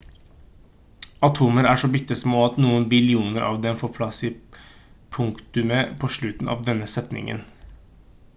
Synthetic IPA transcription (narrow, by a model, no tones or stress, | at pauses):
ɑt̪ʰuːməɾæːʂɔbɪt̪ːəsmoːɑt̪nuːənbɪlɪuːnəɾʔɑ̰ːʋd̪ɛmfoːɾpʰlɑsi | pʰʊŋkt̪ʉməpʰoːʂɭʉt̪n̩ɑ̰ːʋd̪ɛnːəsɛt̪nɪ̰ŋə̰n